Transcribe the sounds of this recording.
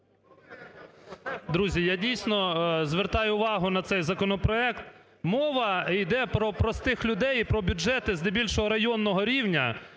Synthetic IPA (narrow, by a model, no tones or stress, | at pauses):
d̪ɾuzʲijadʲijsʲnɔzʋert̪ɑjʊʊʋɑɦʊnɐt̪sɛjzɐkɔnɔpɾɔɛkt̪ | mɔʋɐijd̪ɛpɾɔpɾɔst̪ɪxlʲʊd̪ɛjipɾɔbʲʊd͡ʒɛt̪ɪznebʲilʲʃɔɦɔɾɐjɔnːɔɦɔɾʲiwnʲɐ̰